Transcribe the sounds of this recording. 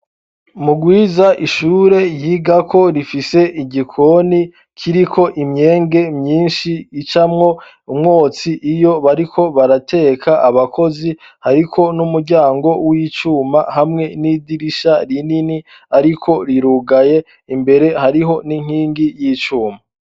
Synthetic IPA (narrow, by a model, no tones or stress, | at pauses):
muɡwiːzaʔiʃuːɾe̞jiːɡakʰo̞ɾifise̞ʔiɟikʰo̞ni | kʰiɾikʰo̞ʔimɲe̞ːŋɡe̞mɲiːnʃiːt͡ʃamŋo̞ | umŋo̞ːt͡siʔijo̞βaɾikʰo̞βaɾate̞ːkʰaʔaβakʰo̞zi | haɾikʰo̞numuɾɟaːŋɡo̞wiːt͡ʃuːmahamŋe̞nidiɾiʃaɾinini | aɾikʰo̞ɾiɾuːɡaje̞ | imbe̞ɾe̞haɾiɦo̞niŋ̥hiːŋɡijiːt͡ʃuːma